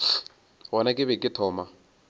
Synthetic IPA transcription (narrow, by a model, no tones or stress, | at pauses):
ɣɔnakʼɪβɛkʼɪtʰɔːma